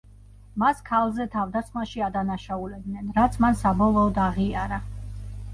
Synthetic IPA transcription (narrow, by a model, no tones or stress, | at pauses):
maskʰalˠzɛt̪ʰavd̪asχmaʃiad̪anaʃaulɛb̪̚nɛnɾat̪sʰmansabɔlˠɔːd̪aʁiaɾa